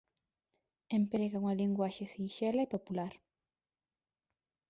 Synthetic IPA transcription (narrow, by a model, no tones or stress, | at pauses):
empɾeɣawŋaliŋɡwaʃesinʃelaipopulaɾ